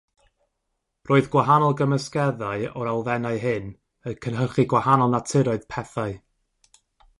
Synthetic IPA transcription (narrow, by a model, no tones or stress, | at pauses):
rʔoːɨðɡwaɦanɔlˠɡəməskɛðaɨɔɾalˠvɛnaɨɦɨn | əkʰənɦərχiɡwahanɔlˠnatʰɪɾɔɨðpʰɛθaɨ